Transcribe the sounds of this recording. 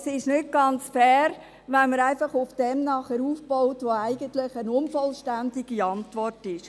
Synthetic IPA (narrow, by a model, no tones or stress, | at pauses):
sɪʃnʏt̚ɡ̥ɑnt͡sfɛːɾ | ʋɛnməɾæɪfɑχʊfd̥ɛmnɑχɛɾuːfb̥ɔʊtʋoæɪɡ̥əntlɪχənʊnfɔlʃtændɪɡiɑntʋɔrtɪʃ